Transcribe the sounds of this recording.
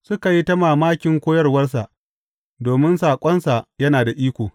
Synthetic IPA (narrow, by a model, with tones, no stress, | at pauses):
sʊ˦ka˨ji˦tɐ˦maː˨maː˦kʲɪ˨ŋkʷoː˦jɐ˦rwɐ˦rsa˨ʔ | doː˨mɪ˦nsaː˨kʷʼɐ˦nsa˨jɐ˦naː˨da˨ʔiː˦kʷoː˨